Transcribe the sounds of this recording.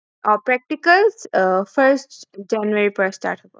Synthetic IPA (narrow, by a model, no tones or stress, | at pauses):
ɔpɾɛk̚ʈikəlsfəɾsʈd͡ʒɛnuəɾipəɾsʈa̰ːɾʈʰəp